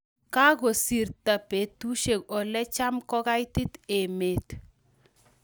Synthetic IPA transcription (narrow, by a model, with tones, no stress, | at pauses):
ka˦ɡo˨si˨rta˨pe˨t̪u˦ʃe˨kɔ˨lɛ˦t͡ʃa˦mkɔ˦ka˦jtɪ˦t̪e˨me˨t̪